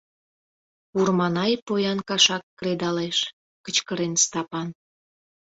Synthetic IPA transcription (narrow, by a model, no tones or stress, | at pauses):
urmɑnɑjpojɑnkɑʃɑkːɾed̪ɑleʃ | kət͡ɕkəɾenst̪ɑpɑn